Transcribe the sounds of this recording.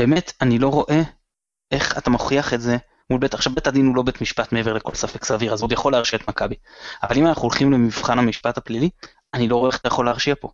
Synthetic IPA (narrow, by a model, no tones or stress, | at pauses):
b̥eːmetanilo̞ʁo̞ʔe̞ | ʔeχatamoχiaχetze̞ | mulbe̞taχʃavbetadinulo̞betmiʃpatmeeve̞ʁleko̞̰lsafe̞ksaviʁazod̪jaχo̞leaʁʃiaetmakabia̰valimanaχuolχimle̞miv̥χanhamiʃpathaplili | anilo̞ʁo̞eχatajaχo̞leaʁʃiapo̞